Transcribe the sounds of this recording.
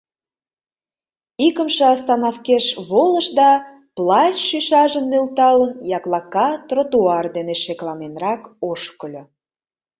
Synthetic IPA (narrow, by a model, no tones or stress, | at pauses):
ikəmʃĕɑst̪ɑnɑfkeʃβoləʃd̪ɑ | plɑt͡ɕʃyʃɑʒəmnølt̪ɑlənjɑklɑkɑt̪rot̪uɑrd̪eneʃeklɑnenrɑkoʃkəlʲo